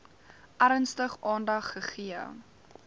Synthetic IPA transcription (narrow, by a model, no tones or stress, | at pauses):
ʔæɾənstəχɑːndɐχːəχiə